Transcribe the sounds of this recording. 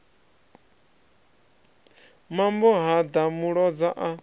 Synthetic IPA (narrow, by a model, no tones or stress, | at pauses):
mambɔɦad̪amuɺɔd͡zaʔa